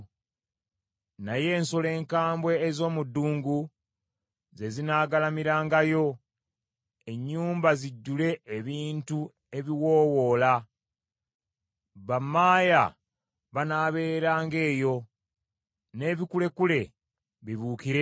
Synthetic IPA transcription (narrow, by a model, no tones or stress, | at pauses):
naje̞ːnsole̞ːŋkaːmbwe̞ːzo̞ːmudːuːŋɡu | ze̞zinaːɡalamiɾaːŋɡajo̞ | e̞ɲːuːmbaziɟːule̞ːβiːntu | e̞βiwo̞ːwo̞ːla | βamːaːja | βanaːβe̞ːɾaːŋɡe̞ːjo̞ | ne̞ːβikule̞kule̞ | βiβuːkiɾe